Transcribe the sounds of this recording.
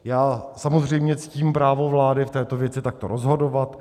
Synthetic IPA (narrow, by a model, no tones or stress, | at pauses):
jaːsamozr̝ɛjmɲɛt͡si̥ciːmpɾaːvo̞vlaːdɪft̪ɛːt̪o̞vjɛt͡sɪt̪ak̚t̪oɾʔozɦo̞do̞vat̪